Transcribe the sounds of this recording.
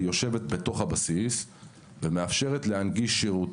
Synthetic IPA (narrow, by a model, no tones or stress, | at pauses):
jo̞ʃe̞ve̞t̪be̞to̞χhabasis | veme̞afʃe̞ʁetle̞hanɡiʃːeʁut